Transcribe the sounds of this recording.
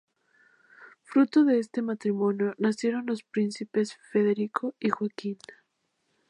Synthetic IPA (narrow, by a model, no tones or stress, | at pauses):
fɾut̪o̞ðe̞est̪e̞mat̪ɾimõ̞njo̞nasje̞ɾo̞nlo̞spɾinsipe̞sfe̞ðe̞ɾikʰoixwakin